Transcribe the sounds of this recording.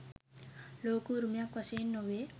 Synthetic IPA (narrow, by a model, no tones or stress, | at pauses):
loːkuɾumjakʋɐsenːoʋe